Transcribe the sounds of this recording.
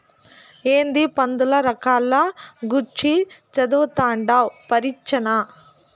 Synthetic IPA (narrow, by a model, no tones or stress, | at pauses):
eːnd̪ipɐnd̪ulɐɾɐkaːlːɐɡuɾt͡ʃːit͡ʃɐd̪uʋt̪aːɳɖawpɐɾit͡ʃːɐna